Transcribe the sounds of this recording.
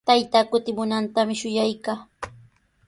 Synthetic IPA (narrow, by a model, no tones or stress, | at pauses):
t̪ajt̪aːkʊt̪ɪmʊnant̪amɪʃʊjajkaː